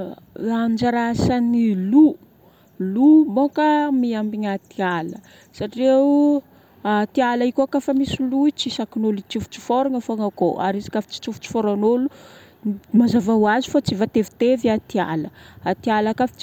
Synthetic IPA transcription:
and͡ʒaɾasanilu | lubokamiambiɲat̪ialə | saʈ͡ʂie | at̪ialaikokafamisiluit͡sisakinolut͡ʃifu̥t͡si̥foɾiɲafaŋakoʔa̰ɾizi̥kafi̥t͡si̥t͡ʃufu̥t͡si̥foɾanolu | mazavaɦwazifat͡sivat̪evi̥t̪eviat̪ia̰ləat̪ialakafi̥t͡ʃ

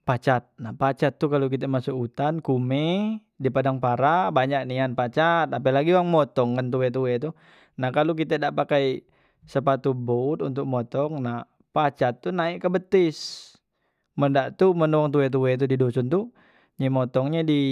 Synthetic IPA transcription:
pat͡ʃat̪̚nahpat͡ʃat̪ːukalokit̪ɛmasukut̪ankumɛ | dipadaŋpaɾabaɲaʔk̚nianpat͡ʃat̪apɛlaɡiwaŋmɔt̪ɔŋkant̪uwɛt̪̬uwɛt̪u | nahkaluk̬it̪ɛdaʔpakaj | səpat̪ubot̪unt̪ʊk̚mɔt̪ɔŋnah | pat͡ʃat̪ːunaiʔkəbət̪ɪs | məndaʔt̪umənɔɔŋt̪̬uwɛt̪̬uwɛt̪̬udidosʊnt̪u | ɲimɔt̪ɔŋɲɛdi

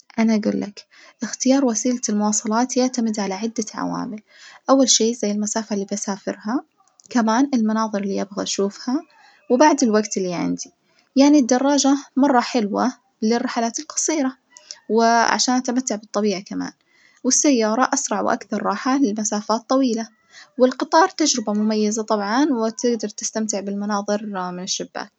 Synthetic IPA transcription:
ʔanaʔaɡṵːlːʔak | ʔɪxt̪ɪjɑːɾˤwasiːlalmʊwɑːsˤɑlɑːt̪jaʕt̪amɪd̪ʕalaʕɪd̪ːaʕa̰wa̰ːmɪl | ʔawːalʃeːzajːɪlmasaːfalːiːbʔasaːfɪ̰ɾha | kamaːnɪlmanɑːðˤɨɾɪlːiʔabɣaʔʃuːfha | wbaʕd̪ɪlwaɡt̪ɪlːiʕɪ̰nd̪i | jaʕnid̪ːɑrˤːɑːd͡ʒamɑrˤːɑħɪlwa | lɪrːɪħalaːt̪ɪlqɑ̥sˤiːɾa | wɪʕa̰ʃaːnʔat̪amat̪ːaʕbɨt̪ˤːɑbiːʕakama̰ːn | wɪsːajːɑːɾˤɑʔasɾˤɑʕwʔa̰kθɑɾˤːɑːħalɪlmasaːfaːt̪ˤːɑwiːla | wɪlqɨt̪ˤɑːɾˤt̪ad͡ʒɾɪbamʊmajːazat̪ˤɑbʕɑnwɪt̪ɪɡd̪ɑɾˤt̪ɪst̪amt̪ɪʕbɪlmanɑːðˤɨɾmɪnɪʃːabːa̰ːl

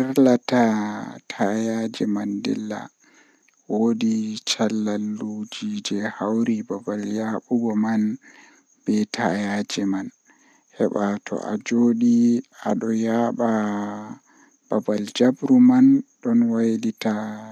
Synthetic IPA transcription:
iɾlatatʰajad͡ʒɛmandɛ̰lːa̰ | wodit͡ʃalːalːud͡ʒid͡ʒɛhawɾibabaljaɓuɡɔman | b̥ɛtʰajad͡ʒɛman | hɛɓatʰɔ̰ʔa̰d͡ʒoːɗia̰ɗɔjaɓa | b̥abald͡ʒabɾumanɗɔnwajdita

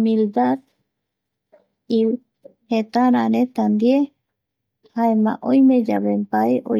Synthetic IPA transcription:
mild̪at̪ | iw | het̪aɾanẽt̪and̪je | haemã̰ʔojmẽd͡ʒaβempajo̰

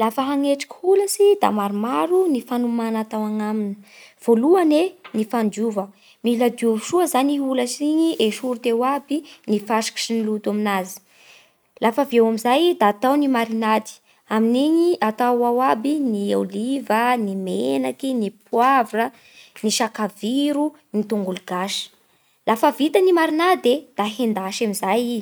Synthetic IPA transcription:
lafəɦaŋeʈ͡ʂḁkʲi̥huləsid̪a̰maɾumaɾunifanumanat̪awaŋamini̥v̥oluanenifand͡ʒuvə | milad̪iuviʃuəzaniɦuləsiɲiʔeʃuɾit̪ewabinifaʃi̥ki̥ʃinilut̪aminazi̥ | lʔafəvewamizajd̪aːt̪awnimaɾinad̪i̥ | aminiɲiʔat̪awawabiniawlivənimenakinipʰuavrə | niʃakaviɾu | nit̪uŋɡuluɡ̥aʃə̥ | lafəvit̪ənimaɾinad̪ed̪̥aɦend̪aʃamizaji

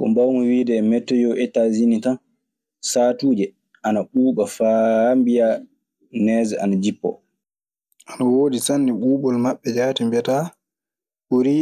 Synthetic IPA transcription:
kɔ̰mbawmɔwiːdɛmɛtːɔjɔʔɛtazinitan | saːtuːd͡ʒɛ | ʔanaɓuːɓafambija | nɛːzɛʔanad͡ʒipːɔ̰ | ʔanawoːdisanːiɓuːɓɔlmaɓːɛd͡ʒaːtimbɛta | ɓuɾi

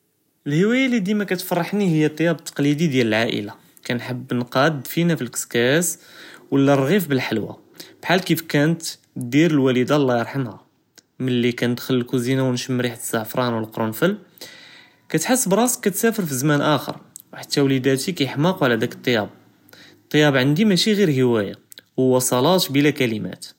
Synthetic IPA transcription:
əlhəwæjælid̪imækæt̪fɑrˤːɑħnihəjːæt̪ˤːɑjɑbt̪ʰːɑ̥qlid̪id̪jæləlʕaʔə̰la | kænħəbːnqɑd̪finæfilkə̥skæswəlːærˤɣifbəlħalwa̰ | b̥ħalkifkænət̪ | d̪iɾəlwælid̪alˤːɑjəɾˤħəmhæ | mənlːikænəd̪xələlkuzinawnʃəmːɾiħt̪zːaʕfɾˤɑnwəlqɾunfəl | kæt̪ħəsːbɾˤɑskːæt̪sæfəɾfizmænʔæxə̰ɾˤwħat̪ːæwlid̪æt̪ikæjəħmɑqwʕlæd̪ækət̪ˤːjɑb | t̪ˤːəjɑbʕənd̪imæʃiɣiɾɦəwæja̰ | wwːɑsˤɑlɑt̪bilækælimæ̰t̪

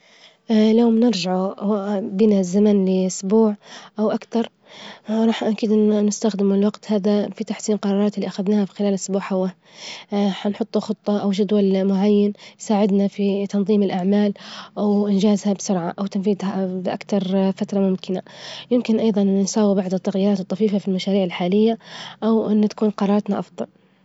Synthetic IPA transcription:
ʔljoːmnɪɾʒaʕu | biːnazamanlɪʔʊsbuːʕʔawʔakt̪ɑɾˤ | ɾˤɑːħnʔakiːd̪ʔnɪst̪axd̪ɪmɪlwaɡt̪haːðafit̪aħsiːnqɑɾˤɑːɾˤɑːt̪ɪlːiʔaxaðnaːhafi̥xɪlaːlʔʊsbuːʕħawa | ħanħʊt̪ˤːuxʊt̪ˤːɑʔawʒad̪walmʊʕajːanjsaːʕɪd̪nafit̪ɑnðˤiːmɪlʔaʕmaːlʔawʔɪnd͡ʒaːzhabsʊɾʕaʔawt̪anfiːd̪habɪʔa̰kt̪ɑɾˤfat̪ɾˤɑmʊmkʰɪnajɪmkɪnʔɑjðˤɑnnsaːwibaʕd̪ˤɨt̪ːaɣjiːɾɑːt̪ɨt̪ˤːɑfiːfafilmaʃaːɾiːʕɪlħaːlɪjːaʔawʔɪnːt̪ḁkuːnqɑɾˤɑːɾˤɑt̪naʔɑfd̪ˤɑl

